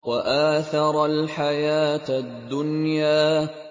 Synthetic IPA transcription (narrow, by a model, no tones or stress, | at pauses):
waʔaːθɑɾˤalħajaːt̪ad̪ːʊnjaː